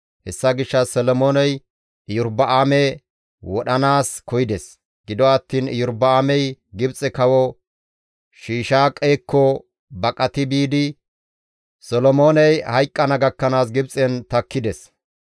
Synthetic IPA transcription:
hɛsːɐɡɪʃːɐsɔlɔmoːnɛj | ɪjʊɾbɐʔaːmɛ | wɔɗɐnaːskɔjɪd̪ɛs | ɡ̥ɪd̪ɔɐt̪ːiːnɪ̰jʊɾbɐaːmɛjɡɪbt͡sʼɛkɐwɔ | ʃiːʃaːkʼeːkːɔ | bɐkʼɐt̪ɪbiːd̪ɪ | sɔlɔmo̞ːnɛjhɐjkʼːɐnɐɡɐkːɐnaːsɡɪbt͡sʼɛnt̪ɐkːɪd̪ɛs

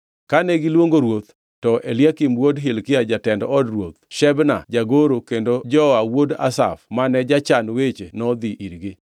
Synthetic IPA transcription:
kanɛɡɪlwoŋɡoɾwot̪ | tɔʔeljakimwodɦɪlkɪad͡ʒatɛndɔɔdrwot̪̚ʃɛbna̰d͡ʒaɡoɾokendod͡ʒɔawoda̰sa̰fmanɛd͡ʒat͡ʃanwet͡ʃenɔd̪iʔiɾɡɪ

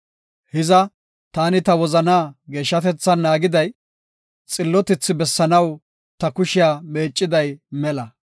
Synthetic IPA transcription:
hɪzɐ | t̪aːnɪt̪ɐwɔzɐnaːɡe̞ːʃːɐt̪ɛt͡sːɐnːaːɡɪd̪ɐj | t͡sʼɪlːɔt̪ɪt͡sːɪbɛsːɐnɐw | t̪ɐkʊʃɪjaːme̞ːt͡ʃʼːɪd̪ɐjmɛlɐ

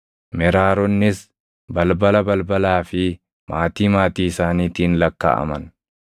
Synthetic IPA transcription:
mɛɾaːɾɔnːɪs | bɐlbɐlɐbɐlbɐlaːfɪ | mʔaːt̪iːmaːt̪iːɪsaːniːt̪iːnlɐkːa̰ːʔɐ̰mɐn

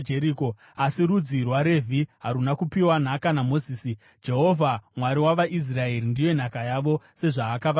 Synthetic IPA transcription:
d͡ʒeɾiko̞ | asiɾud͡zirwaɾe̞vʱiɦaɾunakupiwan̤akanamo̞ziːsi | d͡ʒe̞ɦo̞vʱamwaɾiwaʋaʔis̬rae̞ɾindijo̞n̤akajaʋo̞se̞ʐaːkaʋa

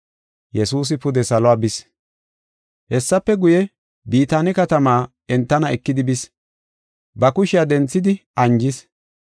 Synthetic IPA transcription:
jɛsuːs̬ɪpʊd̪ɛsɐlɔaːbɪs | hɛsːɐpːɛɡʊjɛ | biːt̪aːnɪkɐt̪ɐmaː | ɛnt̪ːɐnɐɛkːɪd̪ɪbɪs | bɐkʊʃɪjad̪ɛnt͡sːɪd̪ɪɐɲd͡ʒɪs

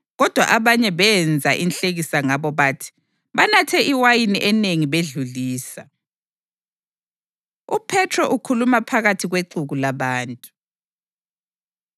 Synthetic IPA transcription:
ɣɔd̥ʱwa̰ʔaβaɲɛβɛnd͡zʱaʔinɬeɣisaŋaβɔβaːtʰi̥ | βanatʰɛʔiwajiniʔɛneŋiβeɮuliːsa | upʰɛtʰrɔʔukʰulumapʰaɣatʰiɣweǃuɣulaβaːntʼu̥

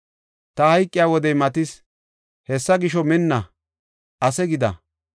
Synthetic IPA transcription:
t̪ɐhɐjkʼːɪjaːwɔd̪ɛjmɐt̪ɪs | hɛsːɐɡɪʃɔmɪnːɐ | ʔɐsɛɡɪd̪ɐ̰

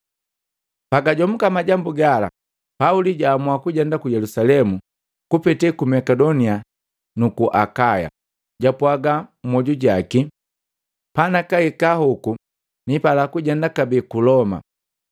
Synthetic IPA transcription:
paɡaɟɔm̩kamaɟambuɡala̰ | pauliɟaːmwakuɟɛndakujɛlusalɛmu | kupɛtɛkumɛkɛdɔnia | nukuʔakaja̰ | ɟapwaɡam̩mɔɟuɟaki | panakaikahuku | nipalakuɟɛndakabikulɔma̰

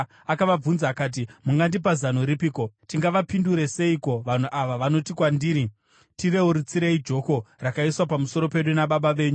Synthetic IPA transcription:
akaʋab͡vunzaːkaːt̬imuŋɡandip̬azanoɾipiːko̞tiŋɡaʋapinduɾe̞se̞iko̞ʋan̤uʔaʋaʋano̞tikwandiːɾi | tire̞uɾut͡siɾeid͡ʒo̞ko̞rakaiswapamuso̞ɾo̞pe̞ɗunaɓaɓaʋe̞ːɲu

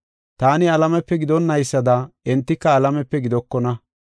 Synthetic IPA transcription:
t̪aːnɪɐlɐmɛpːɛɡɪd̪ɔnːɐjsːɐd̪ɐɛnt̪ːɪkːɐːlɐmɛpːɛɡɪd̪ɔkːɔnɐ

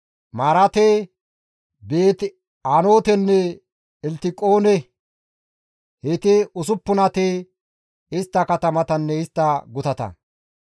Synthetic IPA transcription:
maːɾɐt̪e | be̞ːt̪ | aːno̞ːt̪ɛnːɛ | ɛlt̪ɪkʼo̞ːnɛ | hɛt̪ɪʊs̬ʊpːʊnɐt̪e | ɪst̪ːɐkɐt̪ɐmɐt̪ɐnːɛɪst̪ːɐɡʊt̪ɐt̪ɐ̰

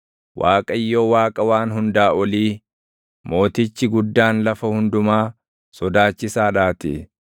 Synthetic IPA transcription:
wʔaːkʼɐjːoːwaːkʼɐwaːnɦʊnd̪aːʔɔliː | mo̞ːt̪ɪt͡ʃːɪɡʊd̪ːaːnlɐfɐhʊnd̪ʊmaː | sɔd̪aːt͡ʃːɪsaːᶑaːt̪ɪ̰

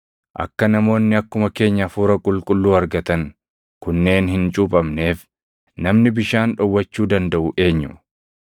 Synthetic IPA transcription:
ʔɐ̰kːɐnɐmo̞ːnːɪɐkːʊmɐke̞ːɲːɐfuːɾɐkʼʊlkʼʊlːuːɐɾɡɐt̪ɐŋ | kʊnːe̞ːnhɪnt͡ʃʼupʼɐmne̞ːf | nɐmnɪbɪʃaːnᶑɔwːɐt͡ʃːuːd̪ɐnd̪ɐʔʊʔe̞ːɲːʊ

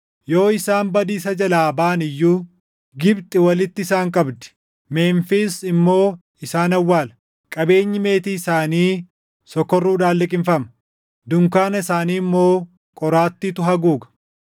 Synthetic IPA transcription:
jo̞ːɪsaːmbɐd̪iːsɐd͡ʒɐlaːbaːnɪjːuː | ɡɪbt̪ʼɪwɐlɪt̪ːɪsaːŋkʼɐbd̪ɛ̥ | meːnfisɪmːo̞ː | ɪsaːnɐwːaːlɐ | kʼɐbe̞ːɲːɪme̞ːt̪iːɪsaːniː | sɔkːɔrːuːd̪aːlːɪkʼɪnfɐmɐ̥ | d̪ʊŋkaːnɐɪsaːniːmːo̞ː | kʼɔɾaːt̪ːiːt̪ʊɦɐɡuːɡɐ̥

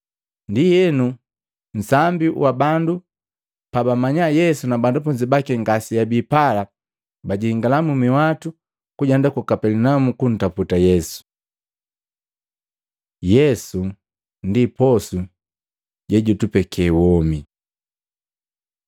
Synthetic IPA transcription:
ndijɛnu | n̩sambiwabandu | pabamaɲajɛsunabandɔp̬ɔɲd͡ʒibakiŋɡasijabipala | baɟihiŋɡalamumiwatu | kuɟandakukapɛlinamukun̩taputajɛsu̥ | jɛsu | ndipɔsu | ɟɛɟutupɛkʰɛwɔmi

